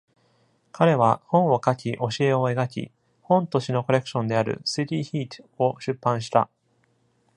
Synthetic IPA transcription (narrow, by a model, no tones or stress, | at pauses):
kʰaɾe̞βahõ̞ɰ̃o̞kakʲiʔo̞ɕie̞o̞e̞ɡakʲḭ | hõ̞nt̪o̞ɕino̞ko̞ɾe̞kɯ̟̥ɕõ̞nd̪e̞aɾɯ̟̰sit̪ʲiçiːt̪o̞ɕɨpːãɰ̃ɕ̬i̥t̪a̰